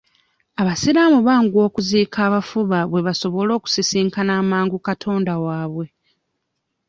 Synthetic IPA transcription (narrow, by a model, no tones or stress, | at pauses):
aβasiɾaːmuβaːŋɡwo̞ːkuziːkʰaːβafuβaβwe̞βaso̞βo̞lo̞ːku̥sisiːŋkanaːmaːŋɡukatʰo̞ːndawaːβwe̞